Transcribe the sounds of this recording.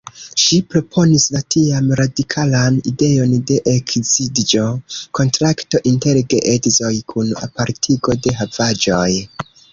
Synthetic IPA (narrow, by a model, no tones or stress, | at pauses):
ʃipɾo̞pʰo̞nislatʰiamɾadikʰalanḭde̞jo̞nde̞ʔekzidd͡ʒo̞ko̞ntɾakto̞ʔinte̞ɾɡeʔedzo̞jkʰuna̰paɾtʰiɡo̞de̞ɦavad͡ʒo̞j